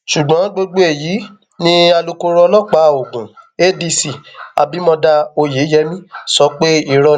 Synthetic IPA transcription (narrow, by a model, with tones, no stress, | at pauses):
ʃu˨ɡ͡bɔ̃˨˦ɡ͡bo˧ɡ͡bo˦e˨jiː˨˦ | nĩ˦a˧lu˧ko˧ɾɔ˧lɔ˦˨k͡pa˨˦˨o˨ɡũ˨e˦di˧si˨a̰˨bi˨˦mɔ̃˧da˧o˧je˨˦jɛ˧˦mĩ˦sɔ˨˦k͡pe˦i˨ɾɔ˧